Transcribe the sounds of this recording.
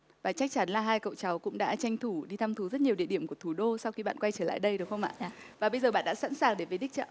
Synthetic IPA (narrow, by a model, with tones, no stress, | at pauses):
vaː˨˩t͡ɕa˦˥jk̚t͡ɕa˨˦nlaː˨˩ɦaː˧jkə̰˧˨wt͡ɕa˨˦wkʊ̰˧˥ŋ͡mɗa̰ː˧˥t͡ɕa˧jŋ̟t̪ʰu˧˩ɗi˧t̪ʰa˧mt̪ʰu˨˦zə˦˥t̚ɲi˨əwɗḭ˧˨əɗi˧˩əmku˧˩ət̪ʰu˧˩ɗo˧sa˧wxi˧ɓa̰ː˧˨nkwa˧jt͡ɕəː˧˩la̰ː˧˨jɗə˧jɗɨ˨˩ək̚xə˧wŋ͡mʔa̰ː˧˨˧ | vaː˨˩ɓə˧jzəː˨˩ɓa̰ː˧˨nɗa̰ː˧˥sa̰˧˥nsaː˨˩ŋɗe˧˩və˨˦jɗï˦˥k̚t͡ɕə̰ː˧˨